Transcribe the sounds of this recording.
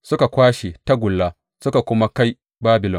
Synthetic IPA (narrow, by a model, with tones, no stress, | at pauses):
sʊ˦ka˨kʷaː˦ʃe˨ta˦ɡʷʊ˨lːaː˦ | sʊ˦ka˨kʷʊ˦ma˦ka˦j | baː˦bɪ˨lɔ˨n